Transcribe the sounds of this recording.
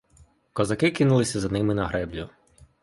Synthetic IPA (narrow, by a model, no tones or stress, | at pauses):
kɔzɐkɪkɪnulˠɪsʲɐzɐnɪmɪnɐɦɾɛblʲʊ